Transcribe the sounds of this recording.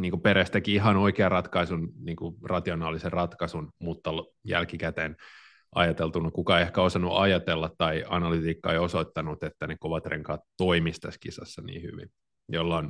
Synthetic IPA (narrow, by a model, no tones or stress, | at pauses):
niːŋkupeɾest̪ækiiɦɑnoikeɑrrɑt̪kɑisunniːŋkurɑt̪ionɑːliserrɑt̪kɑsunmut̪ːɑl | jæ̰lkikæt̪eːn | ɑ̰jɑt̪elt̪unɑkukɑeiehkæosɑnːuʔɑjɑt̪elːɑt̪tɑiɑ̰nɑlyt̪iːkːɑeiosoit̪ːɑnut̪et̪ːænekoʋɑt̪rḛŋkɑːt̪toimist̪æskisɑ̰sːɑnḭːhy̰ʋḭn | jolːɑon